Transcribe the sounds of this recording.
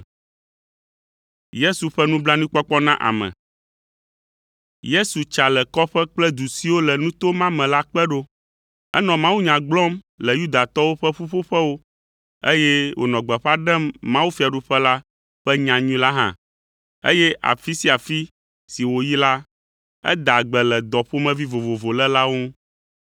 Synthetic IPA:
je˦su˨ɸɛ˦nũ˦bla˦nũ˦k͡pɔ˦k͡pɔ˦nã˦ʔa̰˨mɛ̰̃˨ | je˦su˨t͡ʃa˨lɛ˨kɔ˦ɸɛ˦k͡plɛ˦d̪u˨si˦wo˦lɛ˨nũ˦t̪o˦mã˦mɛ̃˨la˦k͡pɛ˦ɖo˦ | ɛ̰˦nɔ̃˨mã˦wu˦ɲã˨ɡ͡blɔ˦m | lɛ˨ju˦d̪a˨t̪ɔ˦wo˦ɸɛ˦ɸu˦ɸo˦ɸɛ˦wo˦ | e˦jɛ˦wʔo̰˨nɔ̃˨ɡ͡bɛ˨ɸa˦ɖɛ˦mːã˦wu˦fi˨a˨ɖu˦ɸɛ˦la˦ | ɸɛ˦ɲã˨ɲũ˦la˦ɦã̰˦ | ḛ˦jɛ˦ʔa̰˨fi˦si˦a˨fi˦ | si˨wo˨ji˦la˦ | ɛ̰˦d̪a˨ɡ͡bɛ˨lɛ˨d̪ɔ˨ɸo˦mɛ̃˦vi˦vo˨vo˨vo˨lɛ˦la˦wo˦

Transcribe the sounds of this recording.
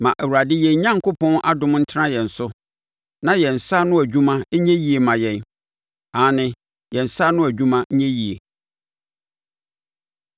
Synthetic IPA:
mã˨ʔæ˨wu˨ɾa˨dɪ˦jɛ̃˨ɲ˦ɲã˦ŋkʰʊ˦pʰɔ̃˦nʔa˦dʊ̃˨˦m˦n̩˦tʰɪ˦ã˦jɛ̃˨n̩˨sʊ˦ | nã˨jɛ˨n̩˨sa˦nʊ̃˦æ˨d͡ʑᶣũ˦mã˦ɲɛ̃˦ji˦e˨mã˨jɛ̃˨n | ã˨˦nɪ̃˦ | jɛ̃˨n̩˨sa˦nʊ̃˦æ˨d͡ʑᶣũ˦mã˦ɲɛ̃˦ji˨e˨

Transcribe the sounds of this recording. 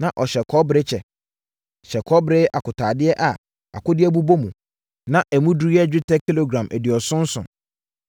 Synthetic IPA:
nã˨ʔɔ˨ɕɛ˨kʰɔ˦bɾɪ˦t͡ɕʰɛ˨ | ɕɛ˨kʰɔ˦bɾɪ˦ʔa˨kʊ˨tʰaː˨dɪ˦ɛ˦ʔa˨ | a̰˨kʊ˦dɪ˦ɛ˦bu˦bo˦mũ˨ | nã˨ʔæ˨mũ˦du˨˦ɛ˦d͡ʑᶣɪ˦tʰɛ˦kʰːi˦lo˨ɡɾã˨mʔæ̰˨dɪ˨ɔ˨sʊ̃˦n̩˦sʊ̰̃˨

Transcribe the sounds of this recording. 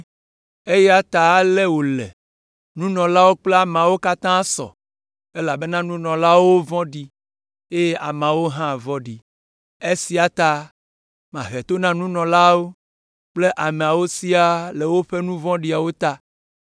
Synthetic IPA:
e˦jɛ˦a˦t̪a˨˦le˦wo˨le˨ | nũ˦nɔ̃˨la˦wo˦k͡ple˦a˨m̃˨a˨wo˦ka˦t̪ã˦sɔ̰˨ | e˦la˨be˦nã˦nũ˦nɔ̃˨la˦wo˦vɔ̃˦ɖi˨ | e˦je˦ʔa˨m˨ã˨wo˦ɦã˦˨vɔ˦ɖi˨ | e˦si˦a˨t̪a˨ | mã̰˨ɦɛ˨t̪o˦nã˦nũ˦nɔ̃˨la˦wo˦ | k͡ple˦ʔa˨mẽ˨a˨wo˦si˦a˦le˨wo˦ɸe˦nũ˦vɔ̃˦ɖi˦a˨wo˦t̪a˦

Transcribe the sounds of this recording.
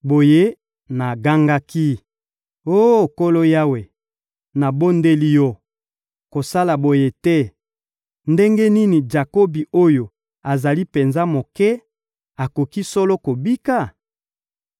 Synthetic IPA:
bo˨je˦ | na˨ɡa˦ŋɡa˦ki˦ | o˦˨ko˦lo˦ja˦we˨ | na˨bo˦nde˦li˦jɔ˦ | ko˨sa˦la˨bo˨je˦tɛ˦ | nde˦ŋɡe˦ni˦ni˨d͡ʒa˨ko˦bi˨o˦jo˨ | a˨za˨li˦pe˨nza˦mo˨kɛ˦ | a˨ko˨ki˦so˦lo˦ko˨bi˦ka˦

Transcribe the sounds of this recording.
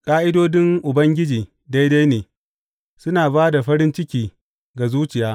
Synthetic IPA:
kʼaː˦ʔɪ˦doː˦dɪ˦ŋʔʊ˨bɐ˦ŋɡʲɪ˦d͡ʒiː˨ | da˦jda˦jneː˨ | sʊ˦naː˨baː˦da˨ɸɐ˦ɾɪ˦nt͡ʃɪ˦kʲiː˨ | ɡa˨zuː˦t͡ʃɪ˨jaː˦

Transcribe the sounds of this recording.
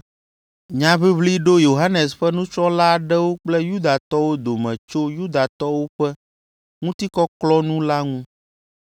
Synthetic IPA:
ɲã˨βi˦βli˦ɖo˦jo˨ɦa˦nɛ˨sɸɛ˦nũ˦t͡ʃɾɔ˦la˦˨ɖɛ˦wo˦k͡plɛ˦ju˦d̪a˨t̪ɔ˦wo˦d̪o˨mɛ̃˨t͡ʃo˦ju˦d̪a˨t̪ɔ˦wo˦ɸɛ˦ | ŋũ˦t̪i˦kɔ˦klɔ˦nũ˦la˦ŋũ˦

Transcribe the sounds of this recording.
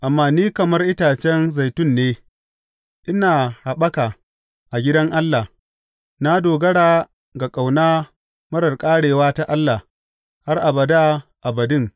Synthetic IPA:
ʔa˨mːaː˦niː˦kɐ˨mɐ˦rʔɪ˦taː˨t͡ʃɛ˦nza˨jtʊ˦˨nːeː˦ | ʔɪ˦naː˨ha˨ɓɐ˦ka˨ | ʔa˨ɡʲɪ˦dɐ˦ŋʔa˦lːa˨h | na˦doː˨ɡɐ˦ɽaː˨ | ɡa˨kʼa˨wnaː˦ | mɐ˦ɾɐ˨rkʼaː˦ɽeː˨waː˦ta˦ʔa˦lːa˨ | ha˦rʔa˨bɐ˨da˦ʔa˨bɐ˨dɪ˦˨ŋ

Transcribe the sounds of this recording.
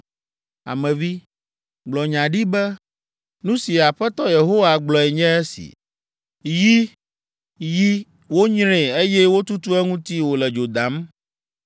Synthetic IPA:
a̰˨mɛ̃˨vi˦ | ɡ͡blɔ˨ɲã˨ɖi˦bɛ˦ | nũ˦si˨a˨ɸɛ˦t̪ɔ˦je˨ɦo˦wa˨ɡ͡blɔ˨ɛ˨ɲɛ̃˦ɛ˦sḭ˨ | ji˦ | ji˦ | wo˦ɲɾẽ˨e˦jɛ˦wo˦t̪u˦t̪u˦ɛ˦ŋũ˦t̪i˦wo˨lɛ˨d͡ʒo˨d̪a˨˦m

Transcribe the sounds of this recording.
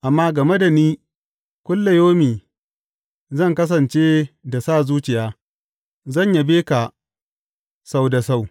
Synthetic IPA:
ʔa˨mːaː˦ɡɐ˨me˦da˨niː˦ | kʷʊ˦lːa˨joː˦miː˨ | zɐ˦˨ŋkɐ˦s̬ɐ˨nt͡ʃeː˦da˨sa˦˨zuː˦t͡ʃɪ˨jaː˦ | zɐ˦˨ɲja˨beː˦ka˨ | sa˦wda˨sa˦˨w

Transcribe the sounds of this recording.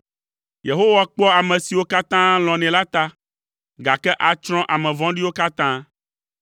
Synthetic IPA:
je˨ɦo˦wa˨k͡pɔ˦a˨mɛ̃˨si˨wo˦ka˦t̪ã˦l̃ɔ̃˨nɛ̃˨la˦t̪a˦ | ɡa˨kɛ˦ʔa˨t͡ʃɾ̃ɔ̃˦ʔa˨mɛ̃˨vɔ̃˦ɖi˦wo˦ka˦t̪ã˦

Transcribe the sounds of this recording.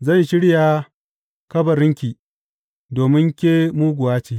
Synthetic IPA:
zɐ˦˨nʃɪ˦ɽjaː˨ | kɐ˦bɐ˨ɾɪ˦ŋkʲiː˨ | doː˨mɪ˦ŋkʲeː˦muː˦ɡʷʊ˨waː˦t͡ʃiː˨

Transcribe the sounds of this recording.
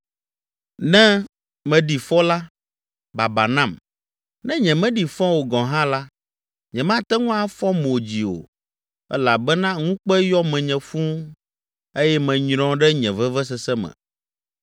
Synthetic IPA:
nɛ̃˦ | mɛ̃˨ɖi˨fɔ˦la˦ | ba˨ba˨nã˦˨m | nɛ̃˦ɲɛ̃˨mɛ̃˦ɖi˨fɔ̃˦wo˨ɡɔ̃˨ɦã˦la˦ | ɲɛ̃˨mã˦˨t̪ɛ˦ŋũ˦a˦fɔ˦m˨o˨d͡ʑi˨o̰˨ | ɛ̰˦la˨bɛ˦nã˦ŋũ˦k͡pɛ˦jɔ˦mɛ̃˨ɲɛ̃˨fũ˦ | e˦jɛ˦mɛ̃˨ɲɾ̃ɔ̃˦ɖɛ˦ɲɛ̃˨vɛ˦vɛ˦s̬ɛ˦sɛ˦mɛ̰̃˨

